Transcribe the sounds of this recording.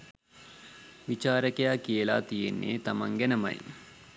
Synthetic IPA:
ʋit͡ʃaːɾəkejakijəla̰ːt̪ijḛnːḛːt̪amaŋɡɛnəmɐ̰j

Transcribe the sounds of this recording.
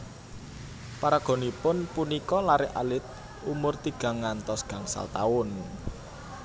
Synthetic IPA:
paɾaɡ̥o̤nipʊnpunikɔlaɾɪʔa̰lɪt̪̚ | umʊrt̪iɡ̥a̤ŋːant̪ɔsɡ̥ä̤ŋsa̰lt̪a̰ʊn

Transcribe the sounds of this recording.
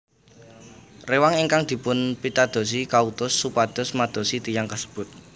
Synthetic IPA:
rewaŋiŋkaŋd̪̥i̤pʊnpit̪ad̪̥o̤s̬ikaut̪ʊsːupad̪̥ʊ̤smad̪̥ɔ̤sit̪ijaŋkəsə̥b̥ʊ̤t̪̚

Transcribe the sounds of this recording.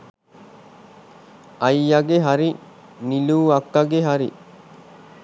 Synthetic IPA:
ɐjːaɡeɦaɾi | niluːɐkːɐɡeɦaɾi

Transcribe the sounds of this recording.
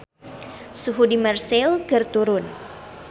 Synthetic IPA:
suɦudimɛrsɪlkərt̪uɾʊn

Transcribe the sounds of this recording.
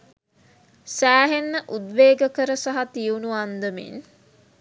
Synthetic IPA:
sæːɦenːəʔud̪ʋeːɡəkəɾəsaɦat̪iunuand̪əmḭn

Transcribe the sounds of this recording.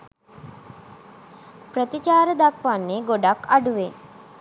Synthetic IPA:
pɾət̪it͡ʃaːɾəd̪akʋanːeɡoɖakaɖuʋe

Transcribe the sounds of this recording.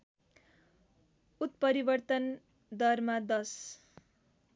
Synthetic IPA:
ut̪̚pʌɾibʌrt̪ʌn | d̪ʌrmad̪ʌs

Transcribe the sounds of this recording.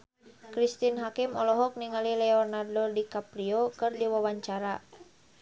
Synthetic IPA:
kɾist̪inɦakimɔlɔɦɔk̚niŋalilɛɔrnardɔdikapɾiokɨrdiwawaɲt͡ʃaɾa

